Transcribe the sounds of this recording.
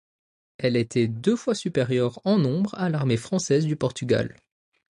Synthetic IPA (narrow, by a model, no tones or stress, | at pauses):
ɛlet̪ʰɛd̪øfwasypeʁjœʁɑ̃nɔ̃bʁalaʁmefχɑ̃sɛzd̪ypɔʁt̪yɡa̰l